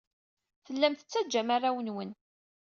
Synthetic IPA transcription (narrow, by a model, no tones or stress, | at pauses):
θəlːæmθə̥t͡sːæd͡ʒːæmarˤawənwən